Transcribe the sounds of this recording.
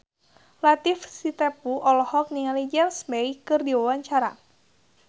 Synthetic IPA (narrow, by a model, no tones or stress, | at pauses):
lat̪ifsit̪ɛpuʔɔlɔhɔk̚niŋalid͡ʒɛlsmɛjkɨrdiwawaɲt͡ʃaɾa̰